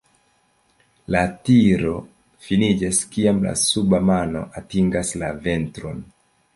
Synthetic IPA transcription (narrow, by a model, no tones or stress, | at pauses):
latiɾo̞ | finid͡ʒaskiamla̰subamano̞̰ʔatiŋɡaslave̞ntɾo̞̰n